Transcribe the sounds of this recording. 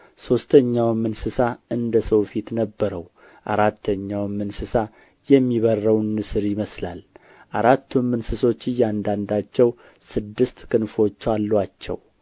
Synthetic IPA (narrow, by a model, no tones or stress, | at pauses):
so̞st̪ʰəɲːawmɨnsɨsaɨnd̪əsəwfit̪nəbːəɾəw | ʔaɾat̪ʰːəɲːawmːɨnsɨsa | jɛmːiβərːəwnːɨsɨɾjɪməsla̰l | ʔaɾat̪ːumːɨnsɨso̞t͡ʃːɨjːɛand̪and̪at͡ʃːɛw | sɨd̪ːɨst̪kʰɨnfo̞t͡ʃːalːwat͡ʃːɛ̰w